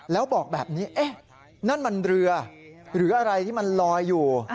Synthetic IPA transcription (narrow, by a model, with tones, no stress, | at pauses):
lɛː˦˥wbɔː˨˩k̚bɛː˨˩p̚niː˦˥ʔe˦˥˩ | na˥˩nma˧nɾɯ˧ɐɾɯː˩˦ʔa˧ɾa˧jt̪ʰiː˥˩ma˧nlɔː˧jːuː˨˩